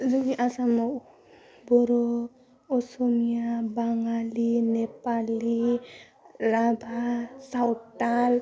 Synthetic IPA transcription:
zuŋiʔasamaw | bɔɾɔ | ɔsomijabaŋalinepali | labʱasawʈːal

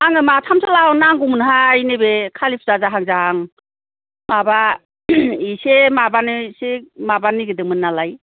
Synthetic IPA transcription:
aŋɯmatʰamsalawnaŋɡumɯnɦainebekʰalipʰzazaɦaŋzahaŋ | maba | isemabanisemabaniɡɯdɯŋmɯnːalaj

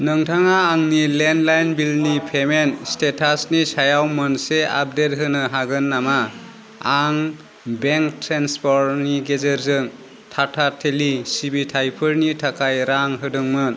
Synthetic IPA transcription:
nɯŋtʰaŋaːŋnilendlajnbilnipʰemenstetʰasnisajawmɐnsea̰p̚det̚ɦɯnɯɦaɡɯnːama | aŋ | beŋktɾanspɔɾniɡezeɾzɯŋ | tʰatʰatʰelisibitʰajpʰɯɾnitʰakʰajɾaŋɦɯdɯŋmɯn

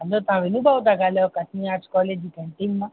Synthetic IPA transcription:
alõtãɾenĩbaodaɡalɛɔkatĩati̥kɔled͡ʒikɛ̃n̩tenmã

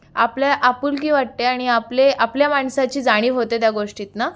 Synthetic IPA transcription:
apljaʔapuːlkiːʋaʈ̚t̪eaɽ̃iapleapljamaɳsat͡ɕiːd͡zaɽ̃iːɦot̪et̪jaɡoʂʈiːt̪na

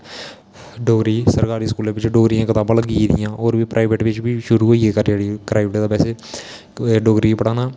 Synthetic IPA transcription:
ɖoːɡɾiːsəɾkaːɾiːskuːlẽːʋɪt͡ʃɖoːɡɾiãːkɪt̪aːbãːləɡiːd̪ɪ̰jãːʔoːɾbiːpɾʔaːʋeːʈʋɪt͡ʃbiːʃʊɾuːɦoːieːkəɾeːɽikɾaːɪʋʈeːd̪aːpɛːseː | ɖoːɡɾiːpəɽaːnaː

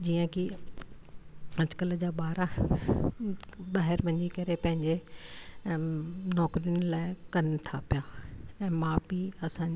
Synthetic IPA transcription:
d͡ʑiːə̃ki | ɐ̃d͡ʑkəld͡ʑaːɓaːɾa | ɓaːɦɪɾʋɐ̃ɲd͡ʑikɐɾepɐ̃ɦɪ̃ɲd͡ʑe | nɔːkɾijʊnlaːɪkɐnt̪ʰapijaɛ̃ːmãːbiɐsãɲ

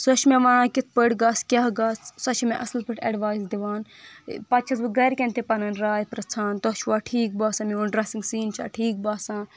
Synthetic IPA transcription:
sɐʃmẽʋanãːkit̪̚ʰpəʈɡaːskʲaɦɡaːssɐt͡ʃʰimḛ̃ʔɐslpəʈʰɐ̰ɖʋaːjzd̪iʋaːn | pɐt͡ʃʰɐsbɨɡɐːɾkʲẽnt̪epɐnɐnɾaːjpɾɐt͡sʰaːnt̪ot͡ʃʰʋaːʈʰiːk̚baːsãmiunɖɾɐsiŋɡsiːnt͡ʃʰa̰ːʈʰiːk̚baːsãː

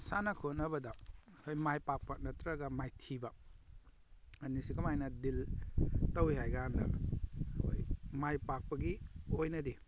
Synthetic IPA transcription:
sanɐkʰotnɐbɐdɐkʰojmajpak̚pɐk̚nɐtɾɐɡɐmajtʰibɐ | ɐnisikɐmajnɐdiltɐwiɦajɡaandɐ̰ | o̰jmajpak̚pɐɡiojnɐdi

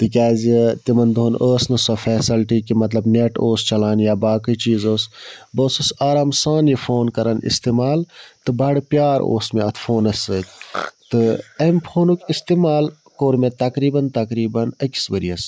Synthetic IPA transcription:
t̪ɨk̬ʲaːzʲit̪imɐnd̪onʔəːsnɐsofɛːsɐlʈikimɐt̪lɐbneʈoːst͡ʃɐlaːnjaːbaːkɨt͡ʃiːzoːsboːsɐsaːɾaːmsaːnjifʰoːnkɐɾɐnḭst̪emaːlt̪ɨbɐɽpʲjaːɾo̰ːsmeɐt̪ʰfʰoːnɐsəːkʲt̪ɨempʰoːnukʲist̪emaːl | koːɾmet̪ɐkɾiːbɐnt̪ɐkɾiːbɐnɐkʲi̥sʋɐɾiɐs

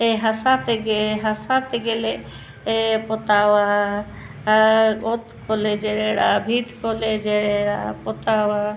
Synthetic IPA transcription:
eɦɐsãt̪eɡeɦɐsat̪eɡele | epot̪aːwa | ot̪koled͡ʒeɾeɾabʱit̪koled͡ʒeɾeɾapot̪awa

